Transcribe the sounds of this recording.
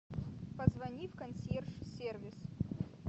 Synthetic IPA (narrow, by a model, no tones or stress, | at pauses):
pɐzvɐnʲifkɐnsʲerʂsʲervʲɪs